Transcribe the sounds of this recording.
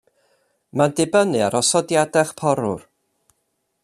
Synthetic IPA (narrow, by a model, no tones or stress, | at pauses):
mandɪbənɨaɾʔɔsɔdjadɛχpʰɔɾʊ̰r